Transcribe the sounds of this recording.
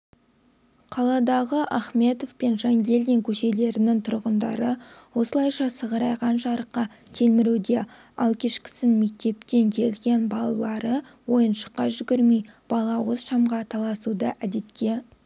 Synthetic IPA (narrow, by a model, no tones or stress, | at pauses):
qʰɑlˠɑd̪ɑʁəʔɑχme̞t̪o̞vpenʒɑŋɡʲe̞ld̪e̞ŋkʲʰɵʃe̞le̞ɾɪnɪŋt̪ʰʊɾʁənd̪ɑ̰ɾəwo̞səlˠɑjʃɑsəʁəɾɑjʁɑnʃɑɾəqːɑ | t̪ʰe̞lmɪɾed̪e̞ | ɑ̰lˠkʲʰe̞ʃkʲɪ̥sɪnme̞k̚t̪e̞p̚t̪e̞ŋkʲʰe̞lɡʲe̞nbɑlˠɑlˠɑɾə | wo̞jənʃə̥qːɑʒʏɡʲɪɾmijb̥ɑlˠɑwozʃɑmʁɑt̪ʰɑlˠɑsud̪əʔæd̪e̞t̪kʲe̞